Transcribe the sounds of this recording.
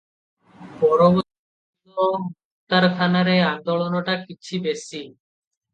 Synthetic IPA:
pɔɾobo | oɦot̪aɾk̪ʰanaɾeand̪oɭonoʈakit͡ɕʰibesi

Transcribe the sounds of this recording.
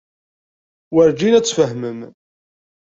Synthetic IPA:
wəɾd͡ʒinæt͡sːfəɦməm

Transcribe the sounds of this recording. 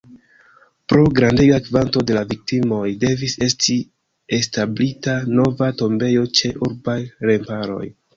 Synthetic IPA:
pɾo̞ɡɾandeɡakvanto̞de̞lavik̚timo̞jde̞vise̞sti | e̞stablitano̞vato̞mbe̞jo̞t͡ʃe̞ʔuɾbajɾe̞mpaɾo̞̰j

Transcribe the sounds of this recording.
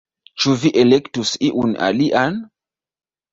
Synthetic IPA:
t͡ʃuviʔelektusiʔuna̰liʔan

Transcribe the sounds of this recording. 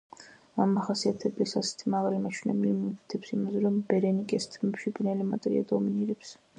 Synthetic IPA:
amːaχasiat̪ʰɛblisasɛ̥t̪ʰimaʁalimat͡ʃʰunɛ̰bilimɔkit̪ʰɛpsimazɛɾɔmbɛɾɛnikʼɛst̪ʰmɛpʃipʼinɛlimat̪ʼɾḭa̰d̪ɔminiɾɛps

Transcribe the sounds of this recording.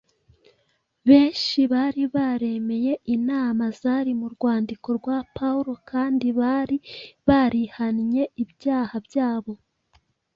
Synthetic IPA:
βe̞ːʃʃiβaɾiβaɾe̞me̞je̞inaːmazaɾimuɾɡwaːndiko̞ɾɡwapauɾo̞kʰaːndiβaɾiβaɾihanɲe̞ibjaːhabjaːβo̞

